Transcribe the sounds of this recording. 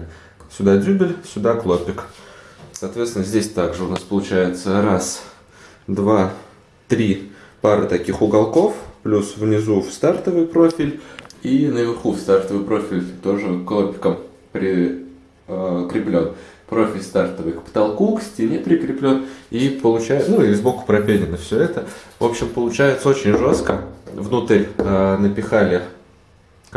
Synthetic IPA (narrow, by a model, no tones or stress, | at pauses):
sʲʊd̪adʲʉbʲɪlʲsʲʊd̪aklˠopʲɪk | sɐːt̪vʲet̪st̪ʲɪnəzʲdʲesʲt̪aɡʐɨʊnaspəlˠʊt͡ɕæjɪt̪səɾas | d̪va | t̪ɾʲipaɾɨt̪ɐkʲixʊɡalˠko̞fplʲusvnʲɪzufst̪art̪əvɨjpɾo̞fʲɪlʲinəvʲɪrxufst̪art̪əvɨjpɾo̞fʲɪlʲt̪o̞ʐɨklˠopʲɪ̥kəm | pɾʲɪ | kɾʲɪplʲo̞npɾo̞fʲɪlʲst̪art̪əvɨjkpə̥t̪ɐlˠkuksʲtʲɪnʲepɾʲɪkɾʲɪplʲo̞nipəlˠʊt͡ɕæjnuizbokʊ̥pɾɐpʲelʲɪnəfsʲɵɛt̪əvo̞̰pɕɪmpəlˠʊt͡ɕæjɪt̪səo̞t͡ɕɪnʲʐo̞st̪kəvnut̪əɾʲənəpʲɪxalʲɪ